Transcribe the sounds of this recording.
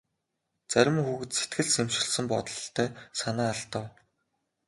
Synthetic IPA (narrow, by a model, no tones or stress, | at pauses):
t͡sæɾʲɪ̆mxuɣɘ̆t̪se̥t̪ɡɘ̆ɮsemʃɪ̆ɮsə̆mpɔt̪ɞ̆ɮt̪ʰːœːsanæːaɬt̪ə̆w